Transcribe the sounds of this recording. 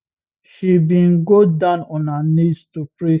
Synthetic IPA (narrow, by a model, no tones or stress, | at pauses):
ʃibĩnɡodãʊ̃nɔ̃nanistupɾe